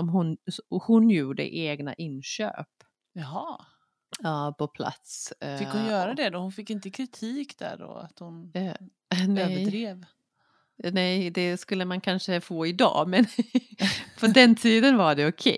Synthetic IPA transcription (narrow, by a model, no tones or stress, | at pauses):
ɔmɦʊnhʊnjuːɖə̰ʔeːɡna̰ʔɪnɕø̰ːp | jɑɦɑː | jɑːpʰɔpʰla̰t̪sfɪkhʊnjœːɾad̪ɛd̪ɔhʊnfɪkːɪnt̪əkʰɾɪt̪ʰiːkd̪æ̰ɖɔ̰a̰t̪hʊn | nɛəɾeːv | nɛjd̪ɛskɵlːəmankʰanʂəfoːɪd̪ɑ̰ːmɛn | pʰɔd̪ɛnt̪ʰiːd̪ənvaɖɛʊkʰɛ̰